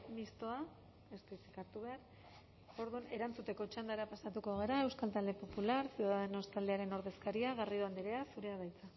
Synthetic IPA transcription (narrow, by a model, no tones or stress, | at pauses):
mist̪o̞a | est̪oit͡si̥kaɾt̪uβe̞aɾ | o̞ɾðune̞ɾant͡sut̪e̞ko̞t͡ʃand̪aɾeapasat̪uko̞ɣ̞e̞ɾae̞wskalt̪ald̪epo̞pulaɾsjuðaðeno̞st̪ald̪e̞aɾe̞no̞ɾð̞e̞skaɾiaɣarioand̪iɾe̞asuɾe̞aβajt͡sa